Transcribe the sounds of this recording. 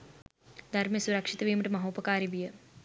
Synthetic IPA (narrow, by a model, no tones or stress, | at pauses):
d̪ʱɐɾmɐsuɾɐkʂit̪ɐʋiːmɐʈumɐɦoːpɐkaːɾiʋijɐ